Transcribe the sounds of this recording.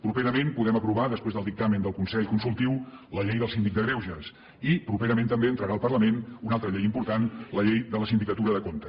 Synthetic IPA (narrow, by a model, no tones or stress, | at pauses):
pɾupeɾəmenpuðɛməpɾuβaðəspɾezðəlˠd̪ik̚t̪amənd̪əlˠkunsɛʎkunsulˠt̪iwləʎejðəlˠsinik̚d̪əɣɾewʒəs | ipɾupeɾəment̪əmbeənt̪ɾəɾaəlˠpərləmenunalˠt̪ɾəʎejimpuɾt̪anləʎejðələsind̪ikət̪uɾəðəkont̪ə